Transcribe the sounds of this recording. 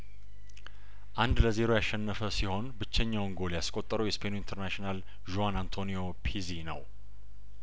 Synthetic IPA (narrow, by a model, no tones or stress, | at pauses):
ʔand̪ləze̞ɾo̞jaʃːɛnːəfəsiho̞nbɨt͡ʃːɛɲːawŋɡo̞ljaskʼo̞t̪ʼːəɾəwjɛspʰenoint̪ʰəɾnaʃinal | ʒoanant̪ʰo̞nio̞pʰizinə̰w